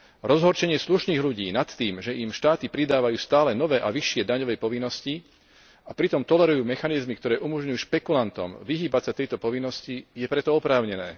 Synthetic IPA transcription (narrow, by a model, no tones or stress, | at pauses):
ɾɔzɦɔɾt͡ʃɛɲɪɛsluʃniːɣluɟiːnat̪ːiːmʒɛʔimʃt̪aːt̪ipɾid̪aːʋajuːst̪aːlɛnɔʋɛːʔaʋiʃɪɛd̪aɲɔʋɛjpɔʋinːɔsci | apɾit̪ɔmt̪ɔlɛɾujuːmɛxanizmikt̪ɔɾɛːʔumɔʒɲujuːʃpɛkulant̪ɔ̰mʋiɦiːbasat̪ɛjt̪ɔpɔʋinːɔscijɛpɾɛt̪ɔɔpɾaːʊɲɛnɛː